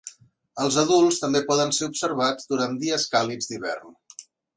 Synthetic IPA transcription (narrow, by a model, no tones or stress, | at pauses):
əlˠzəðulˠst̪əmbepɔðənseubsəɾβ̞ad͡zd̪uɾand̪iəskalid͡zd̪iβɛ̰rn